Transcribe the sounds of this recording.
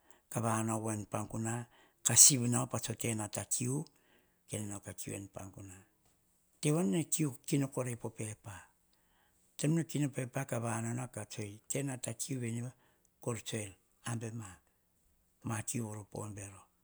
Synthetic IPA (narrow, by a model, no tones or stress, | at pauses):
kaβanowenpaŋkuna | kasibnaopat͡ʃo̞te̞natakʰiu | kenenakakiṵḛnpa̰ŋkuna | te̞wanːekiukinoko̞ɾejpo̞pe̞pa | te̞mnokinope̞pakaβanonakat͡ʃojte̞natakiuβe̞niβa | koɾt͡ʃoel | ambe̞ma | makiuoɾopo̰nbe̞ɾo̞